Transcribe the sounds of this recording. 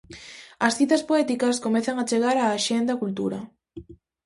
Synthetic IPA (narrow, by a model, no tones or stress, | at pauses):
ɐsθit̪ɐspoɛt̪ikɐskomɛθɐŋat͡ʃeɣaɾaːʃend̪ɐkult̪ṵɾɐ